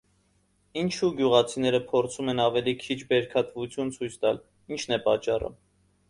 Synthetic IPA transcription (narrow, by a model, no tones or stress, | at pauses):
int͡ʃʰuɡjuʁɑt͡sʰinɛɾəpʰɔɾt͡sʰumɛnɑvɛlikʰit͡ʃʰbɛɾkʰɑt̪vut͡sʰjunt͡sʰujt͡sʰt̪ɑl | int͡ʃʰnɛpɑt͡ʃːɑrə̰